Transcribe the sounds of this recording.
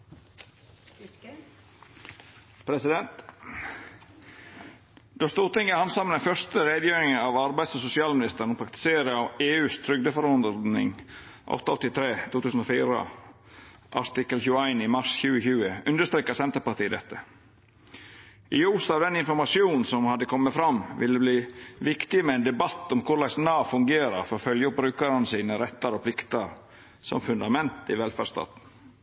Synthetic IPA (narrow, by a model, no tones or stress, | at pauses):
pʰɾɛsɪd̪ɛnt̪ | d̪̥oːst̪uːʁt̪ɪŋːəhɑnsɑmənəfœst̪əɾeːd̪jøːɾɪŋəɑʋɑɾbæɪsɔsʊsɪɑːlmɪnɪst̪əɾən̩ɔpʰɾɑkt̪ɪ̥seːɾəɑʋeːʉːst̪ʰɾʏɡ̚d̪əfɔɾɔnd̪nɪ̰ŋ | ʔɔ̰t̪ːɔ̰t̪ːɪt̪ʰɾeːt̪ʰuːt̪ʰʉːsn̩oːfiːɾə̰ | ʔɑ̰t̪ɪkːəlçʉːəæɪnɪmɑʂçʉːəçʉːəʉnd̪əst̪ɾeːkəsɛnt̪əɾpɑʈiːd̪ɛt̪ːə | ʔɪuːsɑːʋd̪ɛnɪnfɔɾmɑsɪuːnn̩sɔmhɑd̪əkʰɔmːət̪fɾɑmːʋɪlːəbliːʋɪkt̪ɪmɛɛnd̪ɛbɑt̪ːɔmkʰʊɭæɪsnɑːfʉŋɡeːɾɑɾfɔɾɔfœljəʊp̚bɾʉːkɑɾənəsiːnəɾɛt̪ːəɾɔpʰlɪkt̪əɾ | sɔ̰mfʉnd̪ɑmɛnt̪ɪʋɛlfæɖst̪ɑ̰ːt̪n̩